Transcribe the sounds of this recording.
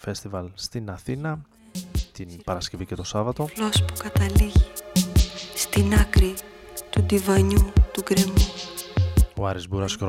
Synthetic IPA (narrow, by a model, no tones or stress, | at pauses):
fe̞st̪ivɐlst̪inɐθinɐ | t̪inpɐɾɐsce̞vice̞t̪o̞sɐvɐt̪o̞lospu̥kɐt̪ɐliʝi | st̪inɐkɾit̪ud̪ivɐɲut̪uɡɾe̞mu | oɐɾizbuɾɐskɾ